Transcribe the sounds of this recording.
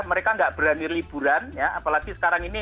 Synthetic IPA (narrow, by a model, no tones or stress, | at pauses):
məɾekaŋɡaʔb̥əɾanirlib̥uɾanjaapalaɡisə̥kaɾaŋini